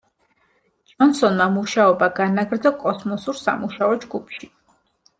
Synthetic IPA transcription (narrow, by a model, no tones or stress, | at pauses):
d͡ʒɔnsɔnmamuʃaɔbaɡanaɡɾd̪zɔkʼɔsmɔsuɾsa̰muʃaɔd͡ʒɡupʰʃi